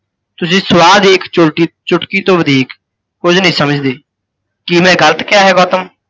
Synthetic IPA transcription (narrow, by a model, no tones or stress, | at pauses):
t̪ʊsĩːsʊʋaːd̪iːkt͡ʃʊʈit͡ʃʊʈkiːt̪oːʋəd̪ʱiːkː | ʊd͡ʒnəɦĩːsəməd͡ʒd̪eː | kimɛ̃ːɡələt̪kɪjaːɦɛːɡɔːt̪əm